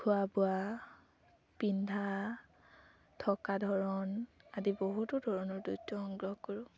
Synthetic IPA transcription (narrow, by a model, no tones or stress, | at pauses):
kʰʊabʊa | pindʱa | tʰɔkadʱɔɹɔnadiboɦutʊdʱɔɹɔnɔɹdutːɔɔŋɡɹɔkɔɹʊ̃